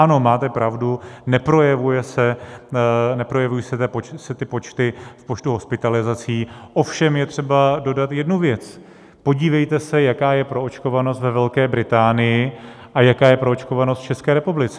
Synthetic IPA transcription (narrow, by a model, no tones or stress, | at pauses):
ano̞maːt̪ɛpɾavdunɛpɾo̞jɛvujɛsɛ | nɛpɾo̞jɛvujisɛt̪apot͡ʃsɛt̪ɪpo̞t͡ʃt̪ɪfpo̞t͡ʃt̪uɦo̞spɪt̪alɪzat͡siːʔo̞fʃɛmjɛt̪r̝̥ɛbado̞dat̪jɛdnuvjɛt͡s | po̞ɟiːvɛjt̪ɛsɛjakaːjɛpɾo̞ot͡ʃko̞vano̞st̪vɛvɛlkɛːbɾɪt̪aːnɪjɪ | ʔajakaːjɛpɾoot͡ʃkovanost̪t͡ʃɛskɛːɾɛpublɪt͡sɛ̥